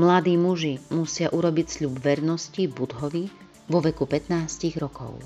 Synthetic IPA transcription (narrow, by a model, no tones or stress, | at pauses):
mlad̪iːmuʒimusɪaʔuɾɔbicsʎubʋɛɾnɔscibud̪ɦɔʋi | ʋɔʋɛkupɛt̪naːsciɣɾɔkɔ̰ʊ